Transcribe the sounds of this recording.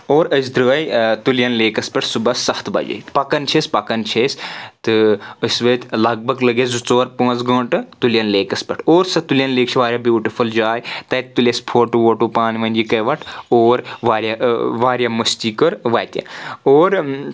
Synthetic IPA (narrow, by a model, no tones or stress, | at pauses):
oːɾəsd̪ɾɨːɐjt̪uljɐnleːkɐspʲɐʈʰsubɐsɐht̪ʰbɐ̰d͡ʒɐ̰pɐkɐnt͡ʃʰesʲpɐkɐnt͡ʃʰeːst̪ɨəsʋəːt̪ʲlɐɡ̚bɐɡlɐɡezut͡soːɾpãːt͡sɡɐ̃ːʈɨt̪uljɐnleːkɐspʲɐʈʰoːɾsɐt̪uljɐnleːkt͡ʃʰiʋaːɾjabjuːʈifʰuld͡ʒaːjt̪ɐjt̪ulʲjɐspʰoːʈuʋoːʈuːpaːnʋɐnʲd͡ʒikɐjʋɐʈʰoːɾʋaːɾʲjaʋaːɾjaːmɐst̪iːkəɾʋaːjt̪ʲḛ̃oːɾ